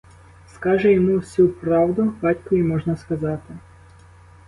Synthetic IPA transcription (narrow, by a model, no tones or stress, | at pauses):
skɑʒɛjɔmuwsʲupɾɑwd̪ʊbɑtʲkʊimɔʒnɐskɐzɑt̪ɪ